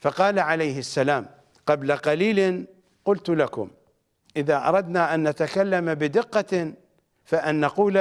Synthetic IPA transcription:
fɑqɑːlaʕalajhɪsːalaːm | qɑblaqaliːl | qʊlt̪lakʊ̰m | ʔɪðaːʔɑ̰ɾˤɑd̪naʔanːat̪akalːamabɪd̪ɪqːa | faʔanːaquːl

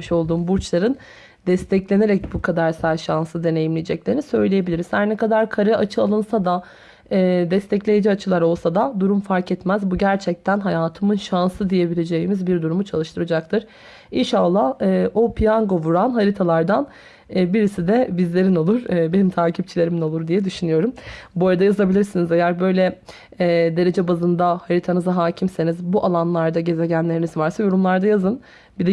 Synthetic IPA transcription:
miʃo̞lˠd̪uːmbuɾt͡ʃlˠaɾɯn | d̪ɛst̪ʰɛclʲe̞ne̞ɾɛc̚bukʰad̪aɾsaɾʃansɯd̪e̞nejimlʲijd͡ʒɛclʲe̞ɾinisø̞jlʲeje̞bilʲiɾiz̥haɾnɛkad̪aɾkʰaɾɯat͡ʃʰɯalˠɯnsad̪aː | d̪ɛst̪ɛclʲe̞jid͡ʒiat͡ʃʰɯlˠaɾo̞lˠsad̪ad̪uɾumfaɾkɛt̪mæzbuɟæɾt͡ʃʰɛc̚t̪ʰænɦajaːt̪ʰɯmɯnʃansɯd̪ije̞bilʲe̞d͡ʒe̞jimizbiɾd̪uɾumut͡ʃʰalˠɯʃt̪ʰɯɾɯd͡ʒak̚t̪ʰɯɾ̥ | inʃalˠːahɯːopʰijaŋɡo̞vuɾanɦaɾit̪ʰalˠaɾd̪anː | biɾisid̪ɛbizlʲe̞ɾino̞lˠuɾːbe̞nimt̪ʰaːcʰip̚t͡ʃʰilʲe̞ɾimino̞lˠuɾd̪ijɛd̪yʃynyjo̞ɾumbuɾad̪ajazabilʲiɾsinizejæɾbø̞jlʲɛ | ɛːd̪e̞ɾe̞d͡ʒɛbazɯnd̪ahaɾit̪ʰanɯzaɦaːcʰimse̞nizbuʔalˠanlˠaɾd̪aɟe̞ze̞ɟænlʲe̞ɾinizvaɾsajo̞ɾumlˠaɾd̪ajazɯn | bid̪ɛ

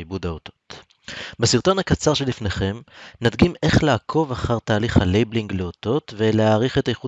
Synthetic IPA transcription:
ibudaoto̥t̪ | besiʁt̪o̞nhakat͡saʁʃelifne̞χe̞mnadɡime̞χlaːkʰo̞vaχaʁt̪aːliχhalejbliŋɡleoto̞tve̞leaːʁiχet̪ajeχu

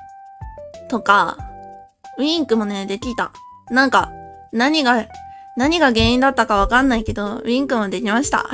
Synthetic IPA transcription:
t̪o̞ka | ɯ̟ĩŋkɯ̟mo̞ne̞d̪e̞kʲiit̪a | nãŋka | naɲ̟iɡa | naɲ̟iɡaɡẽ̞ːĩnd̪at̪ːakaβ̞akanːaike̞d̪o̞̟ĩŋkɯ̟mo̞d̪e̞kʲimaɕi̥t̪a̰

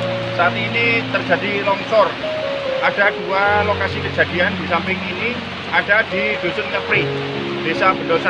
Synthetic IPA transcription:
saniːnit̪ərd͡ʒ̥a̤dilɔŋsɔr | ʔad̥a̤d̥ualokasikəd͡ʒ̥a̤d̥iand̥i̤sampɪŋini | ʔad̥ad̥id̥̪o̤sʊnkəpɾɪ | b̥e̤sab̥ənɔsa

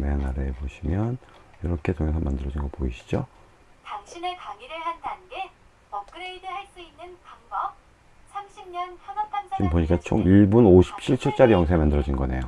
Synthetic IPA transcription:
menaɾeeboɕʰimjʌnjiɾʌkʰe̞tʰoŋe̞s̬ʰʌmandɯɾʌd͡ʑinɡʌpoiɕʰi̥d͡ʑo | taŋɕʰinepaŋiɾɯɭhandanɡe̞ | pʌk̚k͈ɯɾeidɯhaɭs͈uinːɯnpaŋbʌp̚ | sʰamɕʰimɲʌnsʰamʌn̚t͈ʰansʰmpoɲik͈at͡ɕʰo̰ŋiɭbunoɕʰi̥p̚t͡ɕʰiɭt͡ɕʰʌɭt͡ɕ͈aɾijʌŋsʰemandɯɾʌd͡ʑinɡʌne̞̰jo

